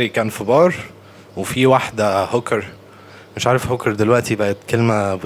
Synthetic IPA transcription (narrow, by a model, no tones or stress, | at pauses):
ɾikæːnfibɑːɾˤ | wefiwaħd̪æhokɑɾˤ | meʃʕaːɾefhokɑɾˤd̪elwæʔt̪ibæʔæt̪kelmæb